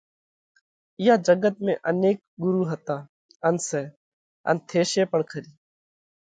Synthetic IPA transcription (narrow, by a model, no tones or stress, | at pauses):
ɪjaːd͡ʒəɡət̪̚mḛ̃ːʔəneːk̚ɡʊɾuːɦət̪aː | ənsɛː | ə̰nt̪ʰeːʃeːpəɳkʰəɾiː